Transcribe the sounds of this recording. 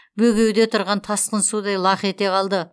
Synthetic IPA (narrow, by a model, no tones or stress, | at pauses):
bɵɡʲe̞wd̪e̞t̪ʰʊɾʁɑnt̪ʰɑsqənsud̪ɑjlˠɑχe̞t̪e̞qɑlˠd̪ə